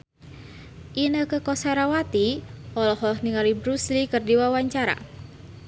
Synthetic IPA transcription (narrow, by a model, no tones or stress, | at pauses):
ʔinəkəkɔsaɾawat̪ihɔlɔhɔlɔhniŋalibɾuslikərdiwawaɲt͡ʃaɾa̰